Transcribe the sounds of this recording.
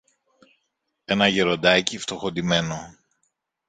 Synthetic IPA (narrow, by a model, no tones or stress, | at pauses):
e̞nɐʝeɾo̞d̪ɐcift̪o̞xo̞d̪ime̞no